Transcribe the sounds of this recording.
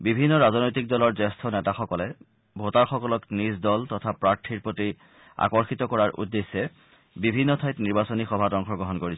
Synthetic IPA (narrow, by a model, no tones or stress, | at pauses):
bibʱinːɔɹaznojtik̚dɔlɔɹzɛstʰɔnɛtaxɔkɔlɛ | bʱotaɹxɔkɔlɔknisdɔltɔtʰapɹaɹtʰiɹpɹoti | a̰kɔɹxit̪ɔkɔɹaɹʔṵdːesːɛ | bibʱinːɔtʰajtniɹbasonixɔbʱatɔŋxʰɔɡɹɔɦɔnkoɹis